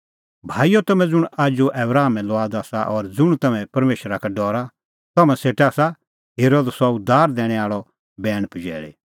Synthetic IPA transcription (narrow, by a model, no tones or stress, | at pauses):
bʱaːijot̪ɐmɛ̃d͡zʊɽ̃aːd͡ʒuʔɛːbɾaːmɛ̃lɔaːd̪aːsaʔɔɾd͡zʊɽ̃t̪ɐmɛ̃pɐɾmeːʃɾakaɖɔːɾa | t̪ɐmɛ̃seːʈɛaːsa | ɦeːɾoːd̪sɔʊd̪ʱaːɾd̪ɛ̃ːɽ̃ɛ̃aːɭɔ | bɛːɽ̃pd͡ʒɛ̰ːɭḛ